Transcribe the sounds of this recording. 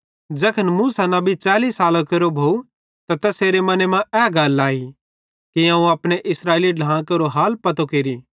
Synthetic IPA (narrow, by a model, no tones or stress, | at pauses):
d͡ʒɐkʰənmuːsanãbʱit͡ʃaːliːsaːlakɐɾobʱoːu | t̪at̪ɛseːɾemɐnemãɛːɡɐlːaːi | kiãːũɐpɽ̃eʔɪsɾaːeːliɖʱãːãkɐɾoɦaːlpɐt̪okeːɾiː